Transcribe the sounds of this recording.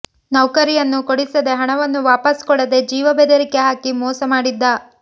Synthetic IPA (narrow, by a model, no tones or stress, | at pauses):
nɐwkɐɾijɐnːukoɽisɐd̪eɦɐɳɐʋɐnːuʋaːpɐskɔɭːɐd̪e̞d͡ʒiːʋɐbed̪ɐɾike̞ɦaːkimɔːsɐmaːɽid̪ːɐ